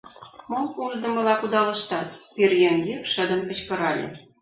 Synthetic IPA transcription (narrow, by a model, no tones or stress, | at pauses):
mouʒd̪ɤ̆mɤ̆lɑkud̪ɑlɤ̆ʃt̪ɑt̪̚pirjeŋɡekʃə̆d̪ə̆mkə̆t͡ɕkɤ̆ɾɑlʲḛ